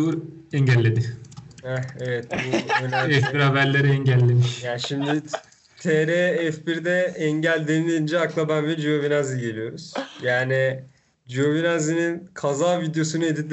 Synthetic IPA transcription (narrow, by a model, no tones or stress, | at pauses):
uɾ | ɛɲɟælʲːed̪ɪɛevɛt̪̚buønaɛfbiɾhabæɾlʲeɾiɛɲɟælʲːemiʃjaːnʃimd̪i | t̪ʰɛɾɛːfbiɾd̪ɛɛɲɟælʲd̪enilʲiind͡ʒɛaklˠabænvɛd͡ʒio̞vinaziɟe̞lijo̞ɾuz̥jaːni | d͡ʒio̞vinazininkʰazaːvid̪jo̞sunɯed̪id̪ʲ